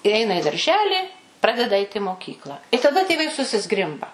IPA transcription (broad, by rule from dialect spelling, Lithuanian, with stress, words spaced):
ɪ ˈɛɪnɐ ɪ dɐrʲˈʒʲæːlʲiː ˈprɑːdʲɛdɐ ɐɪtʲ ɪ moːˈkʲiːklˠɐ ɪ tɐˈdɐ tʲeːˈʋɐɪ sʊsʲɪˈzɡrʲɪmbɐ